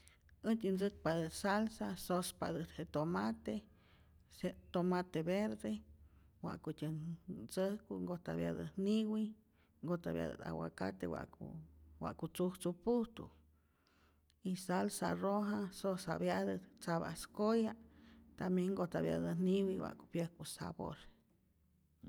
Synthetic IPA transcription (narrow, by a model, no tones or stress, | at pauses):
ət̪ʲɨnd͡zɨt̪̚pad̪ɨt̪salsasospa̰d̪ɨt̪het̪omat̪e | set̪omat̪eβeɾd̪e | wa̰ʔkutʲənt͡səhkuŋɡot̪a̰βja̰d̪ə̰niwi | ŋɡot̪aβja̰d̪ə̰t̪a̰wa̰ka̰t̪ḛwa̰ʔṵwa̰ʔkut͡suht͡supuht̪ṵ | isalsa̰roɦasosa̰βjad̪ət̪t͡saβa̰skojat̪amjeŋɡot̪aβja̰d̪əniwiwa̰ʔku̥pjəhkusa̰bo̰ɾ